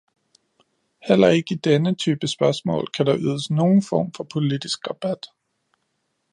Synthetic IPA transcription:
hel̰ɐe̝ɡ̥əid̥enət͡sʰyːb̥əsb̥ɶɐsmɔ̰̽ːlkʰæd̥ɑ̈ʔyːðˠəsno̝ːn̩fɒ̰ːmfɒ̽pʰo̝lid̥isɡ̥ʁɑ̈b̥æd̥

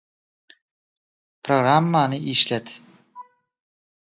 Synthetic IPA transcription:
pɾoɡɾamːanɪiʃlæt̪

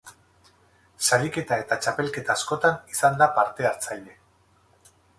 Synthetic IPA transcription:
saɾike̞t̪ae̞t̪at͡ʃape̞lke̞t̪aːsko̞t̪anisand̪apaɾt̪e̞aɾt͡saʎe̞

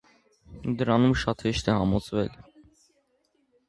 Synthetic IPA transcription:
d̪əɾɑnumʃɑt̪hɛʃt̪ɛhɑmɔt͡sʰvɛl

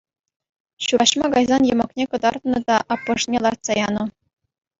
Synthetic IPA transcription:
ɕuɾɑɕmɑɡɑjzɑnjɤ̆mɤ̆knʲekɤ̆d̪ɑrt̪nɤ̆d̪ɑʔɑpːɤ̆ʂnʲelˠɑrt̪sɑjɑnɤ̆

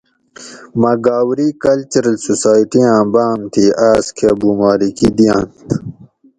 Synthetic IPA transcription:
mɐɡaːwɾikɐlt͡ɕɐɾɐlsosaːiʈijãːbaːmt̪ʰiaːskʰeɐbumaːlikid̪ijãːnt̪

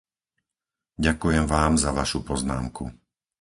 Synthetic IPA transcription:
ɟakujɛmʋaːmzaʋaʃupɔzna̰ːmkṵ

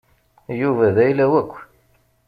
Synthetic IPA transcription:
juvæðæjlæwækʷː

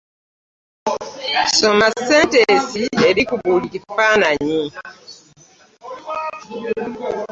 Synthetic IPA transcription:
somasentesieɾikubulikifanaɲi

